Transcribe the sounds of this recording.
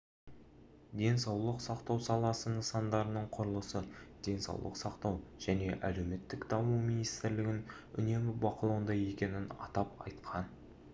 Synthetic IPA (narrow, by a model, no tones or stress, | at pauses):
d̪e̞nsɑwlˠəqsɑqt̪ɑwsɑlˠɑsənəsɑnd̪ɑɾənəɴqʰʊɾəlˠəsəd̪̥e̞nsɑ̰wlˠə̰qsɑqt̪ɑwʒ̥æne̞ʔæle̞wme̞t̪ːɪkd̪ɑmuminijst̪ɪɾlɪɡʲɪn | ʏ̰ne̞mɪbɑqəlˠɑwənd̪ɑje̞kʲe̞nɪnɑ̰t̪ɑpɑ̰jt̪qʰɑn